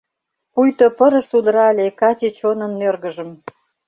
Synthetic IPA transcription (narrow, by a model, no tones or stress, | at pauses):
pujt̪opə̆ɾə̆sud̪ɾɑlʲekɑt͡ɕit͡ɕonə̆nːørɣəʒəm